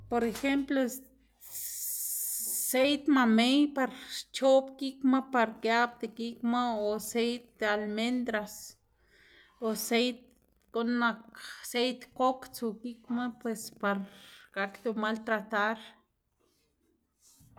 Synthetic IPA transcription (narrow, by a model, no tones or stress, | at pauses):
poɾexemplo | sejt̪mamejpaɾt͡ʃopkikmapaɾkjab̚d̪ekikmaosejt̪̚ːalmend̪ɾas | osejt̪̚ | konmaksejt̪kokt͡sukikmapwespaɾkakt̪umalt̪ɾat̪aɾ